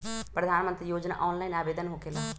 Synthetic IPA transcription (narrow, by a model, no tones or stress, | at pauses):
pɾəd̪ʱaːnmənt̪ɾiːjoːd͡ʒna̰ːʔɔːnlaːinaːʋeːd̪ənɦoːkʰelaː